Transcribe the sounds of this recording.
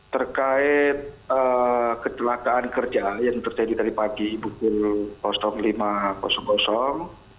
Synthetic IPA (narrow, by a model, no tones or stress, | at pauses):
t̪ərkaɪt̪̚ | əkət͡ʃəlakaːnkərd͡ʒajaŋt̪ərd͡ʒadit̪aɾipaɡibukʊlpɔsɔŋlimakɔ̰sɔŋbɔsɔŋ